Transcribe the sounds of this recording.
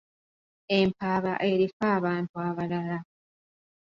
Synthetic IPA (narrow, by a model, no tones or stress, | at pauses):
e̞mpaːβaʔe̞ɾifaːβaːntuaβalala